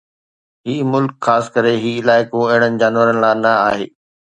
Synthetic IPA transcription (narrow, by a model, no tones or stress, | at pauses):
ɦiːmʊlkxaːsɪ̥kəɾeɦiːɪlaːɪkõɐɦɪɽ̃ənɪ̆d͡ʑaːnʋəɾənɪ̆laːnɐaːɦeː